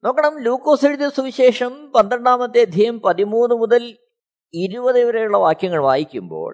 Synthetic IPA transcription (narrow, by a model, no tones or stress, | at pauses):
no̞ːkːɐɳɐmluːkːoːsiɻuðɐsuʋiɕeːʂɐmpɐnd̪ɾɐɳːaːmɐt̪ːeɐd̪ʱjijɐmpɐðimuːnːɨmuðɐl | iɾubɐðiʋɐɾɐjuɭːɐʋaːkjɐŋːɐɭʋaːjikʲːumbo̞̰ːɭ